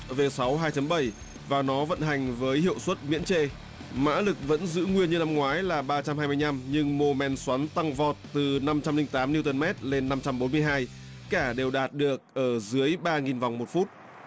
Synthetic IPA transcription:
ve˨˩sa˨˦wɦaː˧jt͡ɕə˨˦mɓə˧˩j | vaː˨˩nɔ˨˦və̰˧˨nɦa˨˩jŋ̟vəː˨˦jhḭ˧˨əwswə˦˥t̚mḭ˧˥nt͡ɕe˧ | ma̰ː˧˥lɨ˨˩k̚və̰˧˥nzɨ̰˧˥ŋwi˧ənɲɨ˧na˧mŋwaː˨˦jlaː˨˩ɓaː˧t͡ɕa˧mhaː˧jmɨ˧jna˧mɲɨ˧ŋmo˨˩mɛ˨nswa˨˦nt̪a˧ŋvɔ˨˩t̚t̪ɨ˨˩na˧mt͡ɕa˧mlï˧ŋ̟t̪aː˨˦mʔi˧wt̪ə˧nmɛ˦˥t̚le˧nːa˧mt͡ɕa˧mɓo˨˦nmɨ˧əjɦaː˧j | kaː˧˩ɗe˨˩wɗaː˨˩t̚ɗɨ˨˩ək̚ʔəː˧˩zɨ˨˦əjɓaː˧ŋi˨˩nva˨˩wŋ͡mmo˨˩t̚fu˦˥t̚

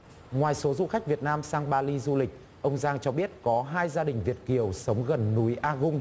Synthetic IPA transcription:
ŋwaː˨˩jso˨˦zu˧xa˦˥k̚vi˨˩ət̚naː˧msaː˧ŋɓaː˧li˧zu˧lk̟̚ | ʔə˧wŋ͡mzaː˧ŋt͡ɕɔ˧ɓi˦˥ət̚kɔ˨˦ɦaː˧jzaː˧ɗï˨˩ŋ̟vi˨˩ət̚ki˨˩əwsə˨˦wŋ͡mɣə˨˩nːu˨˦jʔaː˧ɣʊ˧ŋ͡m

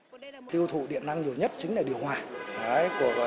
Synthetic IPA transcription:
t̪i˧əwt̪ʰṵ˧˨ɗḭ˧˨ənːa˧ŋɲi˨˩əwɲə˦˥t̚t͡ɕï˨˦ŋ̟laː˨˩ɗi˨˩əwhwaː˨˩a˨˦ku˧˩əkː

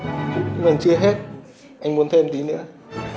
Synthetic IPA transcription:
n˨˧˦a˧˩t͡ɕɨ˧əɦe˦˥t̚ | ʔa˧jŋ̟mu˨˦ənt̪ʰe˧mt̪i˨˦nɨ̰˧˥ə

